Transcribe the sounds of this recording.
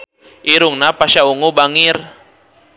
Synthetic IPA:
ʔiɾuŋnapaʃauŋubaŋir

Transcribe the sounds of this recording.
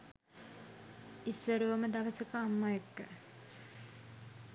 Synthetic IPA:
isːəɾuʋɐməd̪ɐʋəsəkəamːajekːə

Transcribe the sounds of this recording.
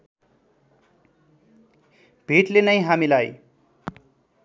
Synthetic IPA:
bʱiʈlenʌjɦamilaj

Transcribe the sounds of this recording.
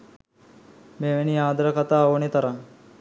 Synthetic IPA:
meːʋeniaːd̪ɐɾəkat̪aːonet̪ɐɾaŋ

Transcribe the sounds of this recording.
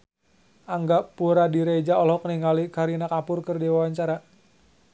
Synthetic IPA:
ʔaŋɡaʔpuɾadiɾed͡ʒaɔlɔkəniŋalikaɾinakapʊrkərdiwawaɲt͡ʃaɾa

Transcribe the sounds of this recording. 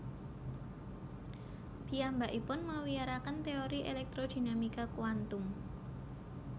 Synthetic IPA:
b̥i̤ambaʔipʊnməwiaɾakənt̪eoɾiʔelɛk̚t̪ɾod̪̥i̤namikakuwant̪ʊm

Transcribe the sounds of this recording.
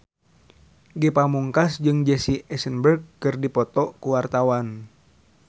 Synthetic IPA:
ɡepamuŋkasd͡ʒɨŋd͡ʒɛsiɛsənbərɡ̚kɨrdipɔt̪ɔkuwart̪awan

